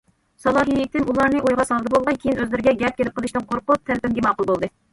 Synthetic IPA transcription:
sɑlˠɑːɦiit̪ʰɪmulˠɑɾnɨʔojʁɑsɑlˠd̪ɨbolˠʁɑnkʲʰejinøzlɪɾɪɡʲɛɡʲɛp̚kʲʰelɪp̚qʰəlˠɨʃt̪ɨnqʰoɾqʊp̚t̪ʰælpɪmɡʲimɑːqʊlˠbolˠd̪ɨ

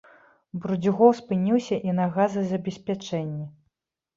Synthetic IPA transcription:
bɾud͡zʲuɣɔwspɨnʲiwsʲɐʔinɐɣazɨzɐbʲɛsʲpʲat͡ʂɛnʲːi

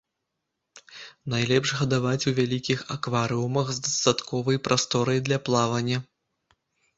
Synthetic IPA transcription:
najlʲɛpʐɣɐd̪avat͡sʲuvʲalʲikʲixɐkvaɾɨumɐɣzd̪ɐst̪at̪kʰɔvɐjpɾʔast̪ɔɾɐjd̪lʲɐplˠavɐnʲːɐ

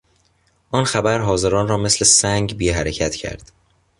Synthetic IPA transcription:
ʔɒːnxæbæɾɦɒːze̞ɾɒːnrɒːme̞sle̞sæŋɡbiːɦæɾecʰæt̪ʰcʰæ̰ɾd̪̥

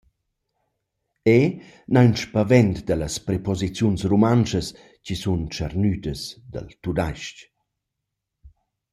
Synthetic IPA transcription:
e | nanʃpavɛnt̪d̪ələspɾepɔzit͡sjunsrumant͡ʃəs | cisunt͡ʃa̰rnyd̪əsd̪ə̰lt̪ud̪ajʃc

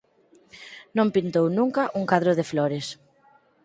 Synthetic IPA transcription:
nõmpint̪ownuŋkaʔuŋkaðɾoð̞eflɔɾes

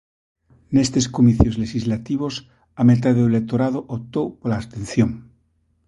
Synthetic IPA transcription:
nest̪e̞skomiθjozleʃizlat̪iβ̞os | amet̪̬aðeðoelek̚t̪oɾaðoʔop̚t̪owpolaːst̪en̟θjoŋ

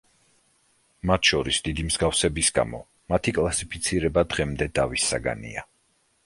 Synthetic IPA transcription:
mat̪ʰʃɔɾisd̪id̪imz̥ɡafsɛbisɡa̰mɔ̰ | mat̪ʰikʼlˠasipʰit̪sʰiɾɛbad̪ʁɛmd̪ɛd̪avisːa̰ɡa̰nḭa̰

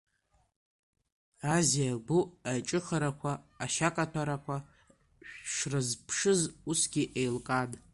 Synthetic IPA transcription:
azijalbuajt͡ʃʼɨχaɾakʷʰaːʃakʼatʰaɾakʷʰa | ʂrɨzpʰʂɨzusɡʲiʔejlkʼad

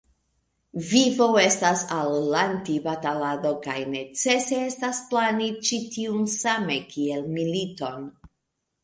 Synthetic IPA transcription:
vivo̞e̞stasalːantibatalado̞kajne̞t͡se̞se̞estasplanit͡ʃitiunsame̞kie̞lmilito̞n

